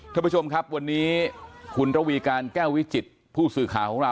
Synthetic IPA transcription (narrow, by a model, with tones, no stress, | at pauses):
t̪ʰa˥˩pu˦˥t͡ɕʰo˧mkʰa˦˥p̚wa˧nːiː˦˥kʰu˧nɾa˧wiː˧kaː˧nkɛː˥˩wi˦˥t͡ɕi˨˩t̪̚ | pʰuː˥˩sɯː˨˩kʰaː˩˦kʰɔ˨˩˦ŋɾa˧